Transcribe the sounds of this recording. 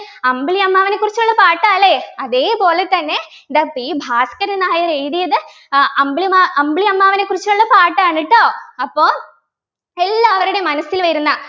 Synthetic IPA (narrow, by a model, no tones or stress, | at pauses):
ɐmbɭiɐmːaːʋɐnekːurit͡ɕːuɭːɐpaːʈːaːleɐðe̞ːpo̞ːle̞t̪ːɐnːe̞ | ɖɐpːibʱaːskɐɾɐnaːjɐreːðijɐðɨ | ɐmbɭimaɐmbɭiɐmːaːʋine̞kːurit͡ɕːuɭːɐpaːʈːaːɳːiʈːo̞ːɐpːo̞ː | elːaːɐʋɐɾuɽe̞mɐnɐsilʋɐɾunːɐ